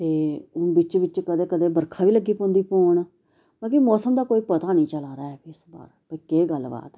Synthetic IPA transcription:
t̪eːʊnbɪt͡ʃʋɪt͡ʃkəd̪eːkəd̪eːbəɾkʰaːʋiːləɡiːpõːnd̪iːpoːɳ | bãːkimɔːsəmd̪aːkoːiːpət̪aːnĩːt͡ʃəlaːɾaːɛːbiɪsba̰ːɾpəkeːɡəlːba̰ːt̪ɛ

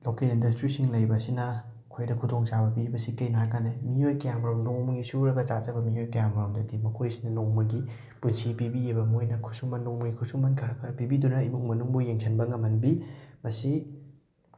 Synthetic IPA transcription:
lokelindɐstɾisiŋlɐjbɐsinɐ | kʰojdɐkʰudoŋt͡ʃabɐpibɐsikejnajkanemiojkɐjaŋbɾawnoŋmɐɡisuɾɐɡɐt͡ʃat͡ʃɐbɐmiojkɐjambɾawmdɐdimɐkʰojsi̥nɐnoŋmɐɡi | punsipibiebɐmojnɐkʰusumɐnːoŋmɐɡikʰusumɐnkʰɐɾɐkʰɐɾɐpibidunɐimuk̚mɐnuŋbujeŋsʰɐnbɐŋɐmhɐnbimɐsi

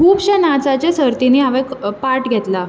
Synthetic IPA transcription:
kʰuːpɕanat͡sat͡ɕjasəɾt̪iniːɦaʋẽkpaɾʈɡʱɛt̪la

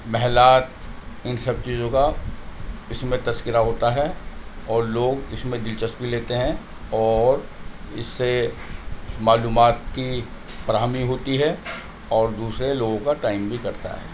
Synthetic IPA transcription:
mɛɦlaːt̪ɪnsɐb̚t͡ʃiːzõka | ɪsmẽt̪ɐskɪɾaɦoːt̪aɦɛɔːɾloːɡɪsmẽd̪ɪlt͡ʃəsbileːt̪eɦɛ̃ | ɔːɾɪ̰sːe | maːluːmaːt̪ki | fɐɾaːɦmiɦoːt̪iɦɛ | ɔːɾd̪uːsɾeloːɡõkaʈaːɪmbʱikɐɾt̪a̰ɦɛ̰ː

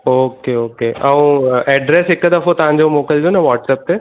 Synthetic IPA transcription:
oːkeoːkeʔɐũɛːɖɾesɦɪkːd̪ɐfõt̪ɐʋ̤ɦãɲ̆d͡ʑomoːkəld͡ʑonɐʋaːʈsɛːp̚t̪e

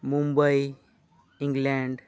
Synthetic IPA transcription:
mumbəj | ĩŋɡlɛɳɖ

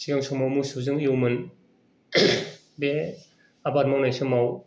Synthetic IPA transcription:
siɡaŋsɯmawmusɯzɯŋiuwmɯn | be | abat̚mawnajsɯmaw

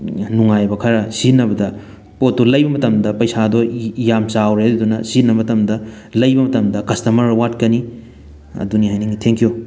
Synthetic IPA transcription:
nuŋajbɐkʰɐɾɐsinɐbɐdɐ | potːulɐjbɐmɐtɐmdɐpɐjsadɔjamsawɾedudunɐsinɐmɐtɐmdɐ | lɐjbɐmɐtɐmdɐkɐstɐmɐɾwatkɐni | ɐ̰duniɦajniŋitʰeŋkʰijo

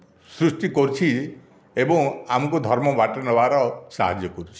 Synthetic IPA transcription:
sɾusʈikɔɾut͡ʃʰi | ebɔ̃ŋamɔkud̪ʱɔɾmɔbaʈɔnɔbaɾɔsa̰ɦad͡ʒjɔkɔɾut͡ʃʰi̥

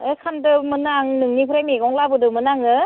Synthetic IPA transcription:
ekʰandɯmɯnaŋnɯŋnipʰɯɾajmeɡɔŋlabɯdɯmɯnaŋɯ

